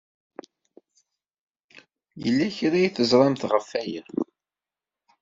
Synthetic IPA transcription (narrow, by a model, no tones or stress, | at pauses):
jə̰lːæçɾæjθəzˤɾˤɑmθʁəfːæjə